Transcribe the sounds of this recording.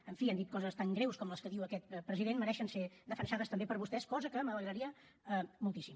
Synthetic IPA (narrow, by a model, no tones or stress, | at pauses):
əɱfiand̪it̪̚kɔzəst̪aŋɡɾewskɔmləskəðiwəkɛt̪̚pɾəziðenməɾɛʃənsed̪əfənʃaðəst̪əmbepəɾβust̪ɛskɔzəkəmələɣɾəɾiə | əmulˠt̪isim